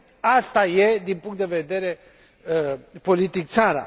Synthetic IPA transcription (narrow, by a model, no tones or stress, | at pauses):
ast̪aje̞d̪inpuŋkt̪d̪e̞ve̞d̪e̞ɾe̞ | po̞lit̪ik̚t̪saɾa̰